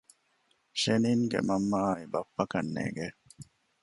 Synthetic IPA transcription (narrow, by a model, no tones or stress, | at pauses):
ʃeniːŋɡḛmɐmːaːibɐpːɐkɐnːḛːɡe